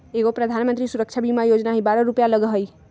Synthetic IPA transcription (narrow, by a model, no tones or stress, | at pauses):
eɡopɾəd̪ʱanmənt̪ɾisuɾək̚t͡ʃʰabimajod͡ʒnaɦibaɾəɾupjaləɡɦəj